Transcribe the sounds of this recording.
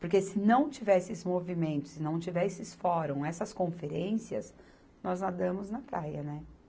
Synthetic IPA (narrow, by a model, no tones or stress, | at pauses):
poɾkesɪnɐ̃w̃t͡ʃivɛsɪzmovimẽnt̪ʊ̥sɪnɐ̃w̃t͡ʃivɛsɪsfɔɾõw̃ɛsɐskõfeɾẽsiɐ̰s | nɔznad̪ɐ̃mʊznɐpɾajɐnɛ